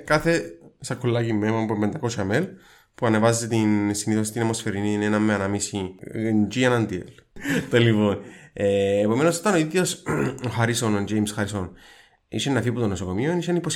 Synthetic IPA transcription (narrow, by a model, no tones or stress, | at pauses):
kɐθesɐkʰːulːɐcimːemopembend̪ɐko̞sɐmel | puɐnevɐzːet̪insiniθo̞s̬i̥t̪inɐmːosfeɾininenɐmːeɐnɐmisind͡ʒiɐnɐnd̪iḛlt̪elːivoneːpo̞me̞nosot̪ɐnoit̪iosxɐɾisonond͡ʒejmsxɐɾison | ḭsenːɐfiput̪onːosoko̞mionisenipos